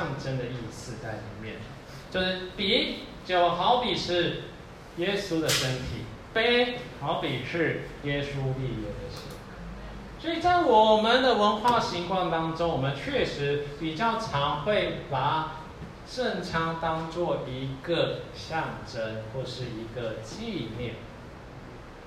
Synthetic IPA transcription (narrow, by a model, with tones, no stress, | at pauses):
ɑ˥˨ŋʈ͡ʂə˥nd̪ə˨i˥˩sɹ̩˥˧t͡sa˥˩ɪlḭ˨˩mjɛ˥˩n˩ | t͡ɕjo˥˧ʊʂɻ̩˥˩pi˨˥ | t͡ɕjo˨˩ʊxɑ˧˦ʊpi˨˩ʂɻ̩˥˩ | jɛ˦su˦d̪ə˨ʂə˦˥nt̪ʰi˨˩˦ | pe˥ɪxɑ˧˥ʊpi˨˩ʂɻ̩˥˩jɛ˦˥su˦li˥˨˧lo˥˩d̪ə˨ʂ̩˥˩˨ | swɔ˧˥i˨˩t͡sɑ˥˩ɪwɔ˨˩mə˨nd̪ə˨wə˧˦˥nxwa˥˩ɕi˧˥ŋkʰwɑ˥˩ŋt̪ɑ˥ŋʈ͡ʂo˥ŋwɔ˨˩mə˦nt͡ɕʰɥɛ˥˨ʂɻ̩˧˦pi˨˩t͡ɕjɑ˥˩ʊʈ͡ʂʰɑ˧˥ŋxwe˥˩ɪpa˨˩˦ | ʂə˥˩ŋʈ͡ʂʰɑ˥ŋt̪ɑ˥ŋt͡swɔ˥˨i˧˥ɡə˨ɕjɑ˥˨˩ŋʈ͡ʂə˦nxwɔ˥˧ʂɻ̩˥˩i˧˥ɡə˨t͡ɕi˥˧njɛ˥˩n